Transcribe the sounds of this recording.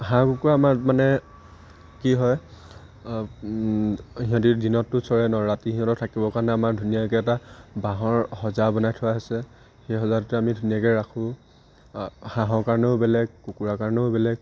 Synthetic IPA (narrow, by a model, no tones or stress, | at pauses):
ɦãkukuɹamaɹmanɛ | kiɦɔj | ɦĩɦɔ̃t̬idinɔtːʊsɔɹɛnɔɹatiɦĩɦɔ̃tɔtʰakibɔkaɹɔnɛamaɹdʱunijakɛɛtabaɦɔɹhɔzabɔnajtʰɔwaɦɔsɛ | xejɦɔzatʊtɛamidʱunijakɛɹakʰʊ̃ | hãɦɔɹkaɹɔnɛʊbɛlɛɡ̚kukuɹakaɹnɛʊbɛlɛɡ̚